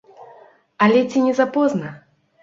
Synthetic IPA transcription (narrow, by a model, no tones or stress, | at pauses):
alʲɛt͡sʲinʲɛzapɔznɐ